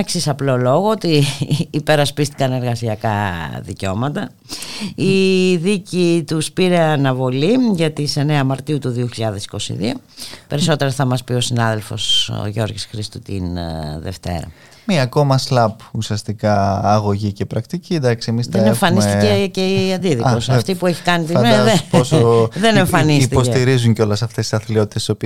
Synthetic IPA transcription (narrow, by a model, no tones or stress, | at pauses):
eksisɐplo̞lo̞ɣoot̪iːpe̞ɾɐspist̪i̥kɐne̞ɾɣɐsiɐkɐðḭceo̞mɐt̪ɐ | iðicit̪uspiɾe̞ɐnɐvo̞liʝɐt̪ise̞neɐmɐɾt̪iut̪uðioçiʎɐðe̞si̥ko̞sḭðio̰pe̞ɾiso̞t̪e̞ɾɐθɐmɐspio̞sinɐðe̞lfo̞̰sʝo̞ɾʝisxɾist̪ut̪ḭnðḛft̪e̞̰ɾɐ̰ | miɐko̞mɐslɐpusiɐst̪ikɐːɣo̞ʝicepɾɐkt̪icind̪ɐksiemisðenneɱfɐnist̪iceceɐnd̪iðik̪osɐft̪ipue̞çi̥kɐnitt̪imeðeoðe̞ne̞ɱffɐnist̪ipost̪iɾizuɲceo̞lesɐft̪esi̥sɐθlio̞t̪it̪essopi